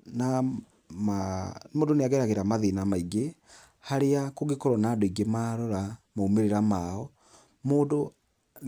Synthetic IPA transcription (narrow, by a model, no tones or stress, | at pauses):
na | mamoːdoneaɣɛɾaɣeɾamaðinamaiɡe | haɾeakoɣekɔɾɔnaːdoiɡemaɾɔɾamaomeɾeɾamaɔ | moːdo